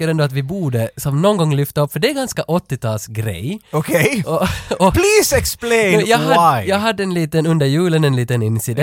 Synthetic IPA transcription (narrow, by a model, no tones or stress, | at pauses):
kːəɾɛnd̪ɔɑt̪ʋɪbuːɖəsɔmnɔːnɡɔŋːlʏft̪əɔpːfəɖɛːɾɡanskɑʔɔt̪ːɪt̪ʰɑːlsɡɾɛ̰jokʰeɪɔɔpliːsɛkspleɪjaɦɑjæɦɑd̪ːəɛnliːt̪ənʉnd̪əɾjʉːlənɛnliːt̪ənɪnsɪd̪ɛ